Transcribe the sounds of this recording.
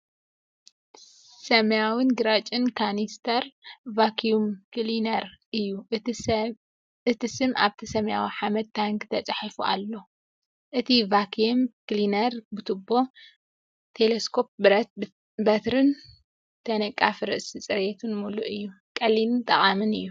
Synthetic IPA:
sɐmjawɨnɡɨɾat͡ʃʼɪnkʰanist̪ʰɐɾvakʰijumklinɐɾʔɨjːu | ɨt̪ʰisɨmʔaβt̪ʰisɐmjawiħamɐd̪̚ʰaŋkt̪ʰɐt͡sʼɨħafuʔa̰lːo̞ | ʔɨt̪ʰivakʰumkɨlinɐɾbɨt̪ʰɨbːo̞ | t̪ʰeleskʰo̞p̚bɾɐt̪ | bɐt̪ɾɨn | t̪ʰɐnɐkʼːafɾɨʔsit͡sʼɨɾet̪ʰunmuluʔɨjːu | kʼɐlint̪ʼɐχʼamɨnɨjːu

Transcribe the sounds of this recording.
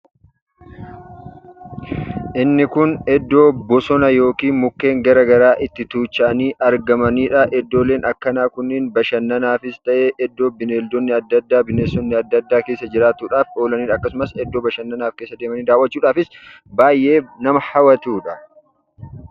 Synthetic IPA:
ʔɪnːɪkʊnɛd̪ːo̞ːbɔsɔnɐjo̞ːkiːnmʊkːe̞ːŋɡɐɾɐɡɐɾaːʔɪt̪ːɪt̪uːt͡ʃːɐʔɐniːʔɐɾɡɐmɐniːᶑɐʔɛd̪ːo̞ːleːnɐkːɐnaːkʊnːɪːnbɐʃɐnːɐnaːfɪst̪ɐʔe̞ːʔɛd̪ːo̞ːbɪneːld̪ɔnːɪɐd̪ːɐd̪ːaːbɪneːsɔnːɪɐd̪ːɐd̪ːaːkeːsːɐd͡ʒɪɾaːt̪uːᶑaːfo̞ːlɐniːᶑɐkːɐsʊmɐsɛd̪ːo̞ːbɐʃɐnːɐnaːfke̞ːsːɐd̪eːmɐniːd̪aːwɐt͡ʃːuːᶑaːfɪs | baːjʔe̞ːnɐmɐhɐwɐt̪uːᶑɐ

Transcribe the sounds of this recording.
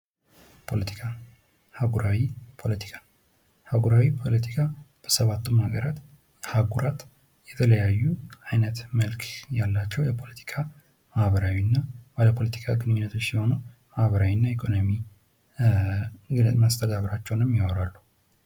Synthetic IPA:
pʰo̞lət̪ʰi̥kʰa | haɡuɾawipʰo̞lət̪ʰi̥kʰḁ | haɡuɾawipʰo̞lət̪ʰi̥kʰab̥əsəβat̪ːɨmhaɡəɾat̪ | haɡuɾat̪ | jɛt̪ʰələjajːuajnət̪məlkʰjalːat͡ʃːɛwjɛpʰo̞lət̪ʰi̥kʰa | məhβəɾawinːabaləpʰo̞lət̪ʰi̥kʰaɡɨnɨɲːunːət̪ʰo̞t͡ʃːsiho̞numahβəɾawinːaekʰʼo̞nomi | ɡɨmast̪ʰəd̪aβɾat͡ʃːɛwnɨmːjawɔɾalːuh

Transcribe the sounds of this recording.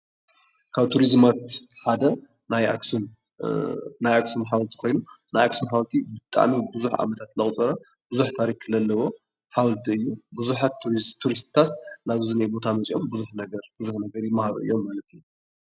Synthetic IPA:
kʰaβt̪ʰuɾizmat̪ħad̪ɐ | najaksun | najaksunħawlt̪ʰi̥kʰo̞jnu | najaksumħawlt̪ʰibɨt̪ʼa̰ʕmibɨzuħʕa̰mɐt̪ʰat̪lɐχʼt͡sʼɐɾa | bɨzuħt̪ʰaɾikʰɨlɐlːɐwo̞ | ħawlt̪ʰiɨjːubɨzuħat̪t̪ʰːuɾist̪ɨ̥t̪ʰat̪naβzɨnajbo̞t̪ʰamɐt͡sʼjo̞mbɨzuħnɐɡɐɾb̥ɨzuħnɐɡɐɾjɪmːahaɾṵʔɨ̰jːo̞mːalɐt̪ʰiju

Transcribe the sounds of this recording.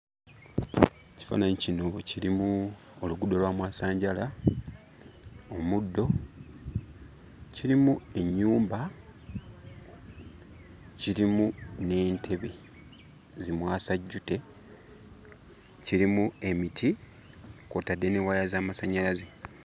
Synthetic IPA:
ci̥fa̰ːnaɲicino̞ciɾimu | oluɡudo̞lwaːmwaːsaːɲɟala | o̞mudːo̞ | ciɾimue̞ɲːuːmba | ciɾimune̞ːntʰe̞βe̞ | zimwaːsaɟːute̞ | ciɾimue̞mitʰi | kotadːe̞newajazaːmasaɲalaze

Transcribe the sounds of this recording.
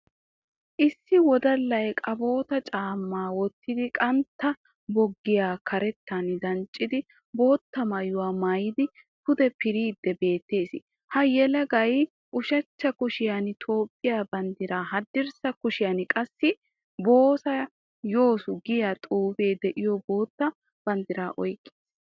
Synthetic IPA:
ʔɪsːɪwɔd̪ɐlːɐjkʼɐbo̞ːt̪ɐt͡ʃʼaːmːaːwɔt̪ːɪd̪ɪkʼɐnt̪ːɐ | bɔɡːɪjaːkʰɐɾɛt̪ːɐnɪd̪ɐnt͡ʃʼːɪd̪ɪ | bo̞ːt̪ːɐmɐjʊwaːmɐjɪd̪ɪ | kʊd̪ɛpɪɾiːd̪ːɛbe̞ːt̪ːe̞ːsɪ | hɐjɛlɐɡɐj | ʔʊʃɐt͡ʃːɐkʊʃɪjɐnɪt̪ʰo̞ːpʼːɪjaːbɐnd̪ɪɾaːɦɐd̪ːɪɾsɐkʊʃɪjɐnɪkʼɐsːɪ | bo̞ːsɐ | jo̞ːsʊɡɪjat̪ʼuːfe̞ːd̪ɛʔɪjɔbo̞ːt̪ːɐ | b̥ɐnd̪ɪɾaːʔɔjkʼːeːs

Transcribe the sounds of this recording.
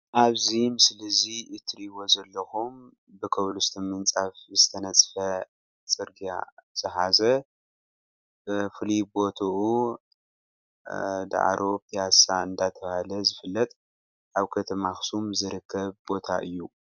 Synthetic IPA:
ʔaβzimɨslɐziɨt̪ʰɨɾiβo̞zɐlːɐxum | bɨkʰɐβlust̪ʰɐmɨnt͡sʼafzɨt̪ʰɐnɐt͡sʼfɐ | t͡sʼɨɾɡija̰z̥ɨɦazɐ | fɨlibo̞t̪ʰɐʔu | d̪a̰ʕ̰ɾʔo̞pʰijasaɨnd̪at̪ʰɐβhalɐzɨfɨlːɐt̪ʼ | ʔaβkʰɐt̪ʰɐmaxsumzɨɾɨkʰːɐβbo̞t̪ʰa̰ʔɨ̰jːu

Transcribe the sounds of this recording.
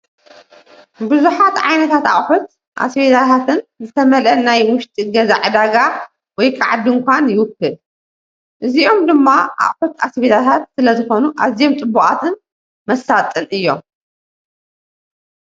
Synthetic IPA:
bɨzuħat̪ʕa̰jnɐt̪ʰat̪a̰χʼħut̪̚ | ʔa̰sbed̪at̪ʰat̪ʰɨnzɨt̪ʰɐmɐlʔɐnajwʊʃt̪ʼiɡɐzaʕɨd̪aɡa | wɔjkʰaʕad̪ɨŋkʷʰanjɪwʊkːɨl | ʔɨziʔo̞md̪ɨmːaʔa̰χʼħut̪asbed̪at̪ʰat̪̚sɨlɐzɨxo̞nuʔa̰zijomt̪ʼɨbːuʔʼa̰t̪ʰɨn | mɐsːat̪ʼɨnɨjːo̞̰m

